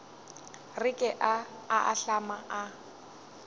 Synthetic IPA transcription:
rɪkʼɛʔa | aʔa̰ɬamaʔa

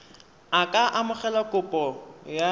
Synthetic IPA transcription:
akʼaʔamʊχɛlakʼʊpʼɔja

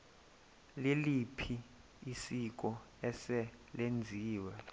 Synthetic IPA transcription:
lilipʰi | isik̬ʼɔ | ɛsɛlend͡zʱiːwɛ

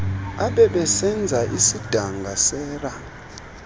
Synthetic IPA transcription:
aɓɛɓɛsɛnd͡zʱaʔisid̥ʱaŋɡʱasɛːra

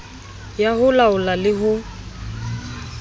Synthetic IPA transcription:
jaɦʊlaʊlalɪɦʊ

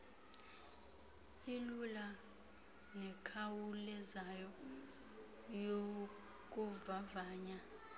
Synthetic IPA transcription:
ilula | nɛkʰawulɛzajɔ | jo | k̬ʼuvavaːɲa

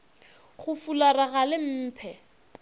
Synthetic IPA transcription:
χʊfularaɣalɪm̩ːpʰɛ

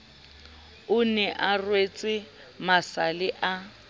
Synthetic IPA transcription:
ʊnɛʔarwet͡sʼɪ | masalɪʔa

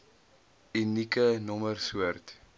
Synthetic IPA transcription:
inikənɔmərsuərt

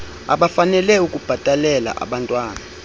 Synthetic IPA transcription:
a̰ɓafanɛlɛukʼub̥ʱatʼalɛla̰ʔa̰ɓantʼwaːna

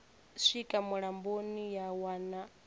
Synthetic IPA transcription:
sʷikʼamuɺambonijawana

